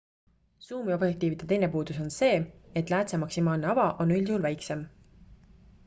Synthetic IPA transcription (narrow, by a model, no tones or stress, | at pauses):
suːmio̞b̥jek̚t̪iːvid̪̥e̞t̪e̞jne̞puːd̪̥uso̞nse̞ːe̞t̪ːˑlæːt̪semɑksimɑːlne̞ɑvɑʔo̞nːylʲiulvæjkse̞m